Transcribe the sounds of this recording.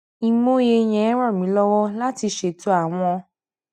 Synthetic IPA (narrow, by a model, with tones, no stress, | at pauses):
i˨mo˦je˧j̃ɛ̃˨ɛ˦ɾ̃ɔ̃˦˨mĩ˨˦lɔ˦wɔ˦la˦ti˧ʃe˨to˦a˦˨w̃ɔ̃˧